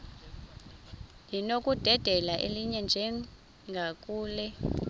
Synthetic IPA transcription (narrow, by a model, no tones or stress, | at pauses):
jinokʼud̥ʱɛd̥ʱɛlaʔeliɲɛnd͡ʒʱɛ | ŋɡʱakʼuːlɛ